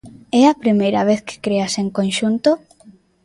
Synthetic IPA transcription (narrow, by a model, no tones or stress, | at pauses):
ɛɐpɾimejɾɐβ̞eθke̥kɾeaseŋkonʃunt̪o